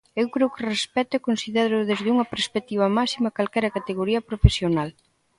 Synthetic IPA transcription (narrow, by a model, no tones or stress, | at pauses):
ewkɾewkɪrespɛt̪ʊekonsiðeɾʊðezðuŋɐpeɾspek̚t̪iβ̞ɐmasimɐkalkɛɾɐkat̪eɣoɾiɐpɾofesjonal